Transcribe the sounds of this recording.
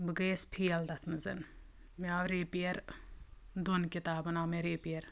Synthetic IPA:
bɨɡeːspʰijɐld̪ɐt̪ʰmɐzɐ̰n | meaːʋɾeːpijɐɾ | d̪onkit̪aːbɐnaːmeɾeːpijɐɾ

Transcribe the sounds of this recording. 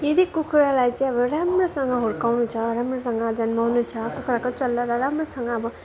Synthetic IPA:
jed̪ikukʰɾalajt͡sãʌbʌɾamresʌŋɡʌɦoɾkawnũt͡sʰʌɾamres̬ʌŋɡʌd͡zʌnmaɦunut͡sʰʌkukʰɾakot͡ʃʌlːaɾaɾamresʌŋɡʌːbʌ

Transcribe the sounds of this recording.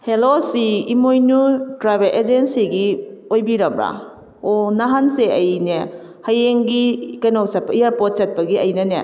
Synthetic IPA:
helosiimojnutɾajbelʔed͡ʒensiɡiojbiɾɐmɾa̰ | onaɦanseʔɐjne | hɐjeŋɡikɐjnowsɐt̚pɐijaɾpot̚t͡ʃɐt̚pɐɡiɐjnɐnḛ

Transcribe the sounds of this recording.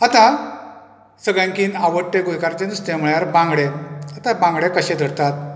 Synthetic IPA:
at̪ã | səɡɭjãŋkiːnaʋəʈːeɡojkaɾt͡ɕ̪enust̪ẽm̤uɭjaɾbãŋɡɽeat̪abãŋɡɽekəɕed̪ʱəɽt̪at̪̚

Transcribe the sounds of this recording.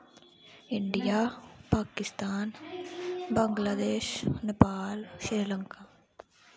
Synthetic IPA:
ɪɳɖɪjaːpaːkɪst̪aːn | bɐŋɡlad̪eːʃnɪpaːlʃiɾlɐŋkaː

